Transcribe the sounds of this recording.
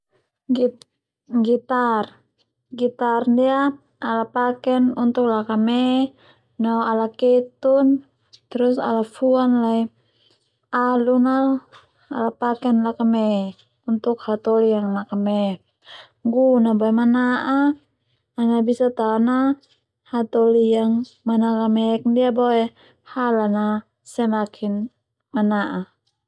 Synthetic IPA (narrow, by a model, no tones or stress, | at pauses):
ɡit̪ar | ɡit̪arndia | alapakɛnunt̪uk̚lakamɛ | naalakɛt̪un | t̪ɛɾusa̰lafuanlai | alunal | a̰lapakɛnlakamɛ | unt̪ukhat̪olijaŋlakamɛ | ŋɡunaboɛmanaʔaː | nabisat̪ana | hat̪olijaŋ | manakamɛkndiaboɛ | halana | sɛnakʰin | manaʔa